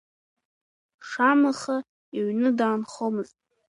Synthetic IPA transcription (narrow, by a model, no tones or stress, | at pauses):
ʂamaχa | iɥnɨdaːnχomɨztʼ